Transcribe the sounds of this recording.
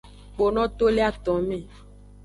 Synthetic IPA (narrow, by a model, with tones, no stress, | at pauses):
k͡po˨nɔ̃˦t̪o˦le˦a˦˨t̪ɔ̃˨mẽ˦˨